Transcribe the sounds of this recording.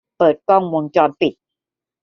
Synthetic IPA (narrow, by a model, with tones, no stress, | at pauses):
pɤː˨˩t̪̚kɔ˥˩ŋwo˧ŋt͡ɕɔː˧npi˨˩t̪̚